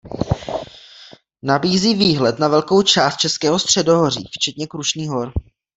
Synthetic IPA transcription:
nabiːziːviːɦlɛt̪navɛlko̞wt͡ʃaːst̪̚t͡ʃɛskɛːɦost̪r̝̥ɛdoɦoriːft͡ʃɛt̪ɲɛkɾuʃniːɦo̞ɾ

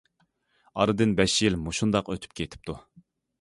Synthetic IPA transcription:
ɑɾɨd̪ɨnbɛʃjilmoʃund̪ɑqøt̪ʰy̥p̚kʲʰet̪ʰɪ̥p̚t̪ʰu

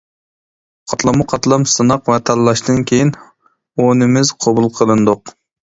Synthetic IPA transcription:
qʰɑt̪lˠɑmuqʰɑt̪lˠɑmsɨnɑqwɛt̪ʰɛlːˠɑʃt̪ɨnkʲʰejin | onɪmɪzqʰɑbulˠqʰəlˠɨnd̪ʊq

